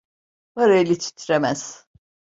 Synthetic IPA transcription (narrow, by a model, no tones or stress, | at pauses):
baɾaelʲit͡ʃʰi̥t̪ʰɾemæz̥